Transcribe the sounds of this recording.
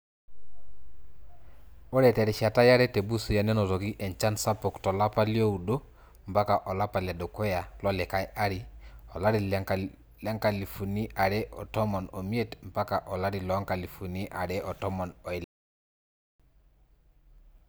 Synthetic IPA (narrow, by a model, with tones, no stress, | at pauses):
o˦ɾɛ˨tɛ˨ɾi˨ʃa˨ta˦ja˦ɾɛ˦te˨bu˦su˨ja˨nɛ˦nɔ˨ɾɔ˨ki˦ʔɛ˨nt͡ʃa˦nsa˦po˨ktɔ˨la˦pa˦li˦o˦u˨do˦ | mpa˦ka˨ʔɔ˨la˦pa˨la˨do˨ko˦ja˨lɔ˦lɛ˨ka˦ja˦ɾi˨ɔ˨la˦ɾi˨ | la˦ŋka˨li˨fu˨ni˦ʔa˨ɾɛ˦ʔɔ̰˨tɔ˦mɔ˨no˨mi˦e˦tmpa˦ka˨ʔɔ˨la˦ɾi˨lɔ˨˦ŋka˨li˨fu˨ni˦ʔa˨ɾɛ˦ʔɔ˨tɔ˦mɔ˨nɔ˨ɪ˦l